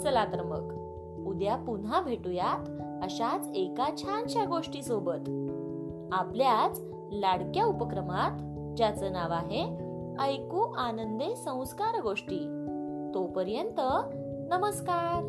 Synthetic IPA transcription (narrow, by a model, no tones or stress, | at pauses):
t͡səlakɾəmə̰k | ud̪japunabʱeʈujat̪əɕat͡sekat͡ɕʰanɕjaɡoʂʈiːsobət̪ | apljat͡s | laɽkjaupəkɾəmat̪ | d͡ʑjat͡sənaʋaɦe | əjkuːanənd̪esə̃w̃skaɾɡoʂʈiː | t̪opəɾjənt̪ə | nəməskaɾ